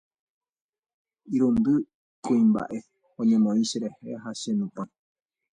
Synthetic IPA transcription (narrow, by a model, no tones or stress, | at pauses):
iɾũnd̪ɨ | kũĩmba̰ʔe̞ | õɲẽmõĩʃeɾehe̞ɦaʃenũpã